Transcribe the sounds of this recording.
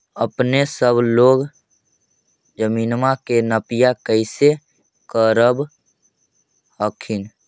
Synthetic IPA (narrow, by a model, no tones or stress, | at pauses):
əpnesəbʱloːɡ | d͡ʒəminmakenəpijakəɪse | kəɾəb | ɦəkʰin